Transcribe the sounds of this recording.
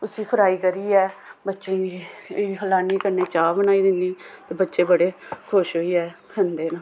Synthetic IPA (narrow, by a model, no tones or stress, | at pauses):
ʊsĩːpʰəɾaːiːkəɾiːɛːbətːʃẽːiɦəlaːniːkəɾneːt͡ʃaːbənaːiːd̪ɪnːiːt̪eːbətːʃeːbəɽeːkʰʊʃɦoːiːɛːkʰənd̪eːnã